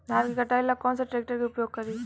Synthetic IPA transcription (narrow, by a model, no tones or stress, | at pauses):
d̪aɾkikəʈailːakɔnsaʈɾek̚ʈəɾkiʊpjoɡ̚kəɾiː